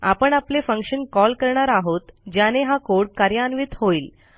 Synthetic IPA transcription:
a̰pəɳaplefəŋkʂənkɔlkəɾɳaɾaɦot̪d͡ʑjaneɦakoɽkaɾjanʋiːt̪hoiːl

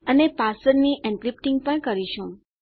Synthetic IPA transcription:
ənepasəɾniʔɛ̃nkɾip̚ʈĩŋɡpəɳkəɾiʃũ

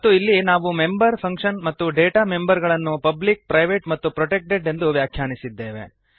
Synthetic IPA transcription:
ɐt̪ːuilːinaːʋume̞mbɐɾpʰɐŋkʂɐnmɐt̪ːuɖeːʈame̞mbɐɾɡɐɭɐnːupɐblik̚pɾɐjʋeʈmɐt̪ːupɾɔʈek̚ʈɖeɖe̞nd̪uʋjaːkʰjaːɳisid̪ːe̞ːʋe̞̰

